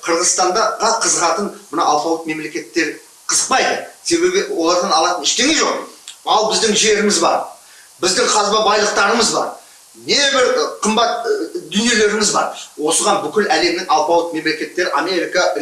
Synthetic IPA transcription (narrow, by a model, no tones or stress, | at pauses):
qʰəɾʁəzst̪ɑnd̪ɑʁɑqʰəzəʁɑt̪ənmənɑwɑlˠpɑw̪ˠət̪̚me̞mle̞kʲe̞t̪ːe̞ɾ | qʰəzəq̚pɑjd̪əse̞βbe̞bʲɪwo̞lˠɑɾd̪ɑnɑlˠɑt̪ənɪʃt̪e̞ŋeʒo̞qɑlˠbɪzd̪ɪŋʒe̞ɾɪmɪzbɑ̰ɾ | bɪzd̪ɪŋqʰɑzbɑbɑjlˠəq̚t̪ɑɾəməzbɑ̰ɾ | ne̞bɪɾqʰəmbɑt̪d̪ʏnje̞le̞ɾɪmɪzbɑ̰ɾwo̞səʁɑnbʏkʲɪlæle̞mnɪŋɑlˠpɑw̪ˠət̪̚me̞mle̞kʲe̞t̪ːe̞ɾɪʔame̞ɾʲikɑ